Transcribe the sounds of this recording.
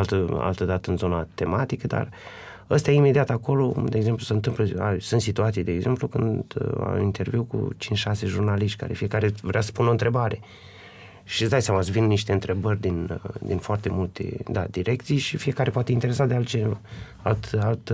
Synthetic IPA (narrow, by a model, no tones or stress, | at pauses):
alt̪əa̰lt̪əd̪at̪əɨnzo̞nat̪e̞mat̪ikəd̪a̰r | əst̪ɛjajime̞d̪iat̪ako̞lo̞d̪eːɡze̞mplusəɨnt̪ɨmpləasɨnt̪sit̪uat̪sijd̪e̞ːɡze̞mplukɨndd̪a̰int̪e̞rviwkṵt͡ʃint͡ʃʲʃase̞ʒurnaliʃt̪ʲka̰ɾe̞̰fije̞kaɾe̞vɾeasə̥punont̪ɾe̞baɾe̞ | ʃisd̪ajsjamasəvinnːiʃt̪e̞ɨnt̪ɾe̞bərʲd̪ind̪infoart̪emult̪e̞̰d̪a̰d̪iɾʔe̞kt̪sijʃifije̞kaɾe̞poat̪eint̪e̞ɾe̞sad̪ealt̪t͡ʃeva | alt̪alt̪